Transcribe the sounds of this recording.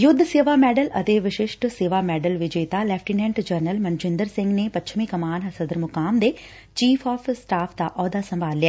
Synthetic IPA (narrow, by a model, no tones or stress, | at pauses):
jʊd̪ʱːseːʋaːmɛːɖələt̪eːʋɪʃɪʃʈseːʋaːmɛːɖəlʋɪd͡ʒeːt̪aːlɛpʰʈinɛ̃ːɳʈd͡ʒəɾnəlmənd͡ʒɪ̃nd̪əɾsɪ̃ŋɡneːpətːt͡ʃʰmĩːkəmaːnəsəd̪əɾmʊkaːmd̪eː | t͡ʃiːpʰɔːpʰsʈaːpʰd̪aːʔɔːd̪aːsə̃mbʱaːlːɪja